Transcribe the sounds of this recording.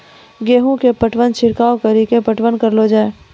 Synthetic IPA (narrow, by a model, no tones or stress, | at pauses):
ɡeːɦũkepəʈʋənt͡ʃʰɪɾkaːokəɾiːkepəʈʋənkɐɾlod͡ʒaːe